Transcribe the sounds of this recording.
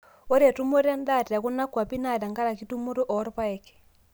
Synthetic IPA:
o˦ɾe˨tu˦mo˦ɾa˦nda˦˨ti˨a˨ku˦na˦kwa˨pi˦na˨da˨ŋɡa˦ɾa˨ki˦tu˦mo˦ɾo˦ʔɔ˨˦ɾpa˦ɛ˨kɛ̥˨

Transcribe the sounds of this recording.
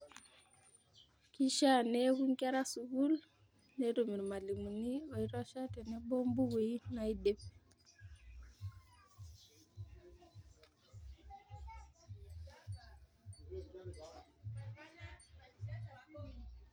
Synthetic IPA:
ki˦ʃa˦ne˦ku˦ŋka˦ɾa˦su˨ɡu˦l | ne˦ɾo˨mi˨ɾma˨li˨mu˨ni˦o˨i˦ɾɔ˦ʃa˦te˨ne˦bo˦mbu˦we˨i˦na˨i˦de˨p̚

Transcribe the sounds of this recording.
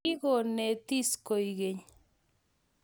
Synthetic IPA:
i˦ɣo˨ne˨t̪i˦sko˨jɣe˨ɲ

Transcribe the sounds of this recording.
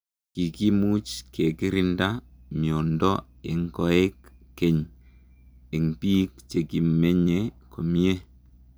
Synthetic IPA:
ki˨ki˦mu˦t͡ʃke˨ki˦ɾi˦nda˦mi˨o˨ndɔ˦ | ɪ˨ŋkɔ˨e˦kː | e˨ɲ | i˨ŋpiː˦kt͡ʃe˨ki˨me˦ɲe˦ko˨mi˦e˦

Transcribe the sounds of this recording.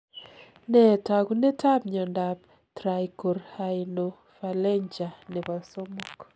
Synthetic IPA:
nɛ˨ta˨ku˦ne˦ta˦pɲɔ˨nda˨p̚ | tɾa˨jko˨ɾha˨ɪno˨ | fa˨lɛ˦ɲd͡ʒa˨ne˨βa˨so˦mo˦k

